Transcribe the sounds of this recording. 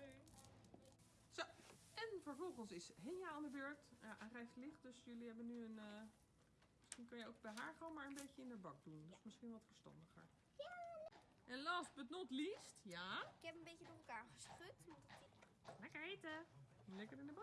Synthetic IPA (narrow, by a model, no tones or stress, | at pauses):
so | ɛnfəɹvɔlˠɣənsɪsɦenjaandəbøɹktjaʔɛrɛjftlɪχt̚døsjøliɦɛbənːyən | mɪsxinkønjəok̚bɛjɦaːɹχəʋoːnmaːɹənbeːjəɪndəbɑk̚dundɔsmɪsxinʋɔtfəɹstɑ̰ndəxə̰ɹ | ɛnlaːstbətnɔtlistjaɪkhɛpənbecədoəlˠkaːɹχəsprøt | lɛkəɹetəlɛkərɪndəbɑ